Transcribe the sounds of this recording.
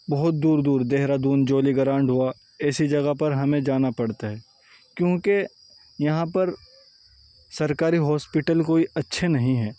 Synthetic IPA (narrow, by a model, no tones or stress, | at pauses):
bɐɦʊt̪̚d̪uːɾd̪uːɾd̪eɦɾad̪uːnd͡ʒoːliɡɐɾãːɳɖɦua | ɛːsid͡ʒɐɡapɐɾɦɐmẽd͡ʒaːnapɐɽt̪aɦɛː | kjõːke | jɐɦãpɐɾ | sɐɾkaːɾiɦɔːspɪʈəlkoːiɐtːʃʰenɐɦĩɦɛː